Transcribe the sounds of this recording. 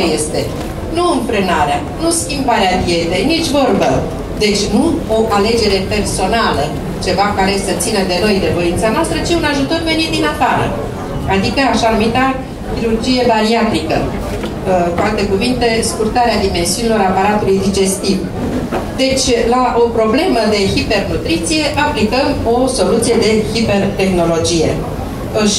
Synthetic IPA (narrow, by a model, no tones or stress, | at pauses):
jest̪e̞ | nuɨɱfɾɨnaɾea | nuskʲimbaɾeapje̞d̪e̞jnit͡ʃʲvo̞rbə | d̪e̞t͡ʃʲnuo̞ʔale̞d͡ʒe̞ɾe̞pe̞rso̞nalə | t͡ʃe̞vakaɾe̞sət̪sinəd̪e̞no̞jd̪e̞vo̞intsanoast̪ɾət͡ʃiunaʒut̪o̞rve̞nit̪̚d̪inafaɾə̰ | ad̪ikəaʃanumit̪a | kiɾurd͡ʒije̞baɾiat̪ɾikə | kualt̪e̞kuvint̪e̞skurt̪aɾead̪ime̞nsiunilo̞ɾapaɾat̪ulujd̪id͡ʒe̞st̪iv | d̪e̞t͡ʃʲlaʔo̞pɾo̞ble̞məd̪e̞xipe̞rnut̪ɾit̪sije̞ʔaplikəmo̞so̞lut̪sije̞d̪e̞hipe̞rt̪e̞xno̞lo̞d͡ʒije̞̰ | əʃ